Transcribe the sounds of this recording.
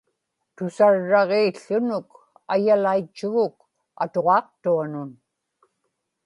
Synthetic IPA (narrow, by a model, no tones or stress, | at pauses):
t̪ʊsaɻːɑʁeːɬːʊnʊk | ajalait͡ʃːɪɣʊk̚ | a̰t̪oʁɑːqt̪uanʊn